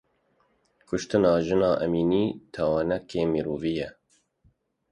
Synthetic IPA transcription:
kʰʊʃt̪ɨnɑːʒɨnɑːʔɛmiːniːt̪ʰɛwɑːnɛkeːmiːɾoːvijɛ

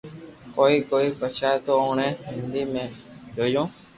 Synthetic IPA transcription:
koːiːkoːiːpət͡ʃʰaːt̪oːoːɳẽːɦɪ̃nd̪iːmẽːd͡ʒoːjõː

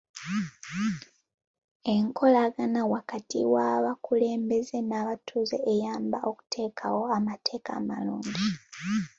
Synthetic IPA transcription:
e̞ŋkʰo̞laɡanawakatḭwaβakule̞ːmbe̞ze̞naːβatʰuːzeʔejaːmbaʔo̞ku̥tʰe̞ːkʰawo̞amatʰe̞ːka̰ːmaluːɲɟi

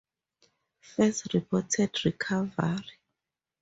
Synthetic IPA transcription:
fɛstɹipʰɔtʰɛdɹikʰavaɹi

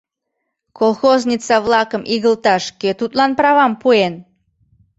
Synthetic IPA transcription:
kolˠxoznʲit͡sɑβlɑkəmʔiɣəlt̪ɑʃket̪ut̪lɑnprɑβɑmpuen

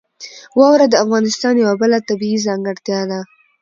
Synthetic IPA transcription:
wɑwɾad̪əafɣɑnɪst̪ɑnjawabəlat̪abiizɑŋɡəɽt̪jɑd̪a

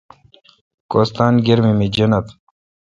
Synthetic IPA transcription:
koːst̪aːnɡiɾmimid͡ʑɐnɐt̪

